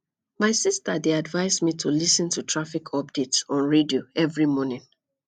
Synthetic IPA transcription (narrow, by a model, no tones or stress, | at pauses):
maɪsistədeadvaɪzmitʰulisə̃ntʰutʰɹafikʰɔp̚d̥etsɔ̃nɹedioɛvɹimɔnɪ̃ŋ